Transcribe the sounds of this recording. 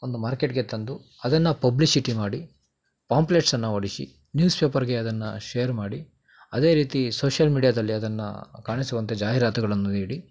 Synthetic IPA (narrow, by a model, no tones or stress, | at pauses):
ond̪umaːɾke̞ʈɡe̞t̪ɐnd̪u | ɐd̪ɐnːɐpɐblisiʈimaːɽi | paːmpleʈsɐnːɐoɽisḭ | njuːspe̞ːpɐɾɡe̞ɐd̪ɐnːɐ̰ʃejɐɾmaːɽi | ɐd̪e̞ːɾiːt̪isoːʃɐlmiːɖijaːd̪ɐlːiɐd̪ɐnːɐ̰kaːɳisuʋɐnt̪ed͡ʒaːɦiɾaːt̪ɐɡɐɭɐnːuniːɽi